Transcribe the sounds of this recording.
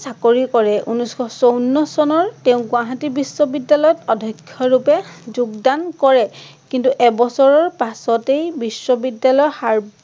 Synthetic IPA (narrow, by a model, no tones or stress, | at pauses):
sakoɹikɔɹɛʔunuskɔsonːɔsɔnɔɹtɛʊ̃ɡʊ̃aɦatibisːɔbidːalɔjɔtɔdʱɔkʰːjɔɹupɛzuɡdankɔɹɛ | kintuʔɛbɔsɔɹɔɹpasɔtejbisːɔbidːalɔjɔxaɹb